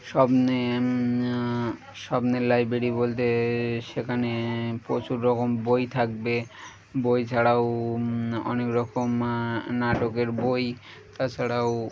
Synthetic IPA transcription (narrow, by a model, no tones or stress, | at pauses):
ʃɔbne | ʃɔbnelajbɾeɾibolt̪̬eʃekʰanepot͡ɕuɾːɔkombojt̪ʰak̚be | bojt͡ɕʰaɽao | ɔ̰nekɾɔkomnaʈokeɾboj | t̪at͡ɕʰaɽao